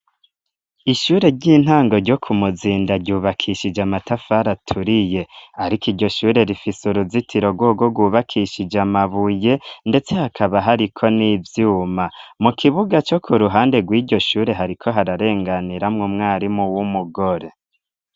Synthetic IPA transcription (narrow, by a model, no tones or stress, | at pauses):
iʃuːɾe̞ɾɟiːn̥haːŋɡo̞ɾɟo̞kʰumuziːndaɾɟuːβakʰiʃid͡ʒamatafaɾatʰuɾije̞aɾikiɟo̞ʃuːɾe̞ɾifisuɾuzitʰiɾo̞ɡwoːɡoɡwuːβakʰiʃid͡ʒamaβuje̞nde̞t͡se̞hakʰaβaɦaɾikʰo̞nivjuːmamukʰiβuɡat͡ʃo̞kʰuɾuɦaːnde̞ɡwiːɟo̞ʃuːɾe̞ɦaɾikʰo̞ɦaɾaɾe̞ːŋɡaniɾamŋumŋaːɾimuwumuɡo̞ɾe̞